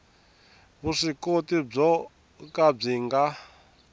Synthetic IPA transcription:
βuʂikotib͡ʐɔ | kab͡ʐiŋɡa

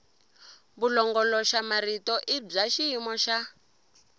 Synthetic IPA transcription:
βulɔŋɡɔlɔʃamaɾitɔʔib͡ʐaʃiimɔʃa

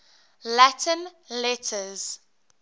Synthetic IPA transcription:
latʰə̃nlɛtʰəz̥

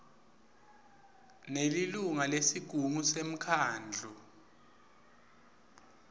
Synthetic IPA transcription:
neliluŋalesiɡ̥ʱuŋusem̩kʰaːnd͡ɮʱɔ

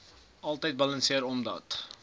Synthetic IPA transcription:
ɐlˠtəjt̚bɐlɐnsiəɾɔmdɐ̰t

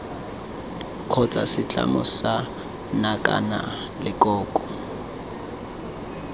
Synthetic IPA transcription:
kʰɔt͡sʼasɪt͡ɬʼa̰mʊsa | nakʼa̰na | lɪkʼɔːkʼɔ

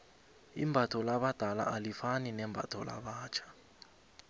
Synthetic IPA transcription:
ḭmbʱatʰɔlaɓad̥ʱala̰ʔalifaninɛmbʱa̰tʰɔla̰ɓaːt͡ʃʰḁ

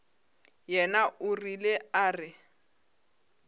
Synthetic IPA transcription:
jɛnaʊrileaːrɪ

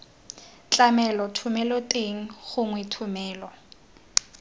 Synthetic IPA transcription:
t͡ɬʼamɛlɔtʰʊmɛlɔtʼeŋ̩χʊŋwɛtʰʊmɛːlɔ

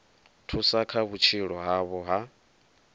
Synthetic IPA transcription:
tʰusakʰaβut͡ʃʰiɺɔɦaβɔɦa

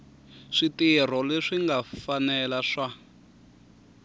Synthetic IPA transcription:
ʂitir̤ɔleʂiŋɡafanɛlaʂa

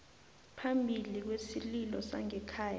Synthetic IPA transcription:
pʰambʱilik̬wesililɔsa̰ŋɛkʰaːja

